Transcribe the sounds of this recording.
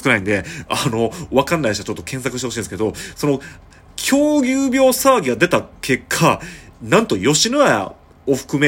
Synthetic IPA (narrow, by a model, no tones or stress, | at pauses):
kɯnaĩnd̪e̞ano̞βakãnːaiɕiat͡ɕo̞t̪ːo̞kẽ̞ɰ̃s̬akɯɕt̪eoɕĩːnesked̪o̞so̞no̞ | kʲʰo̞ːɡʲɨːbʲo̞ːsaːɡʲiɡad̪e̞t̪akʰe̞kʰːanãnt̪o̞jo̞ɕinɯa̰ | o̞ɸɯ̟̥kɯ̟me